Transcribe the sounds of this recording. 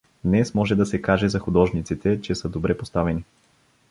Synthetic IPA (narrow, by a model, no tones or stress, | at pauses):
d̪nɛsmɔʒɛd̪ɐsɛkaʒɛzɐxud̪ɔʒnit̪sit̪ɛt͡ʃɛsəd̪obɾɛpost̪avɛni